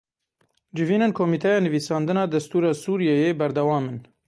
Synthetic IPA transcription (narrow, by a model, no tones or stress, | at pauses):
d͡ʒɪviːnenkʰoːmiːt̪ʰɛjɑːnɨviːsɑːnd̪ɨnɑːd̪ɛst̪uːɾɑːsuːɾijɛjeːbɛɾd̪ɛwɑːmɨn